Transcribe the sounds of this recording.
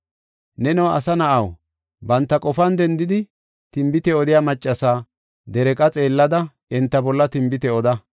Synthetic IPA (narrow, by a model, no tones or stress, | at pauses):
nɛnɔwɐ̰sɐnɐʔɐw | bɐnt̪ːɐkʼɔfɐnd̪ɛnd̪ɪd̪ɪ | t̪ɪmbɪt̪ɛɔd̪ɪjaːmɐt͡ʃʼːɐsaː | d̪ɛɾɛkʼɐt͡sʼe̞ːlːɐd̪ɐ | ɛnt̪ːɐbɔlːɐt̪ɪmbɪt̪ɛɔd̪ɐ